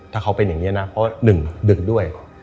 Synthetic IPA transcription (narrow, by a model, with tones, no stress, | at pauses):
t̪ʰaː˥˩a˦˥wpe˧nja˨˩ŋi˦˥˧na˦˥pʰɔ˦˥wa˥˩nɯ˨˩ŋdɯ˨˩k̚du˥˩əj